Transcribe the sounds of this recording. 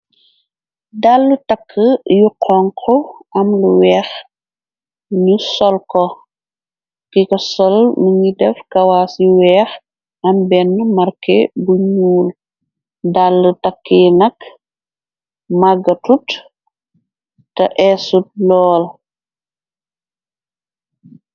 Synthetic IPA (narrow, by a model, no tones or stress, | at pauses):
dalːutɐkʰːəjuqʰɔŋkʰɔɐmluwɛːx | ɲusɔlkɔ | kikɐsɔlməŋidɛfkɐwaːsjiwɛːx | ɐmbɛnːmɐɾkɛbuɲuːl | dalːətɐkʰːiːnɐk | maɡɐtut | tɐʔɛsut̚lɔːl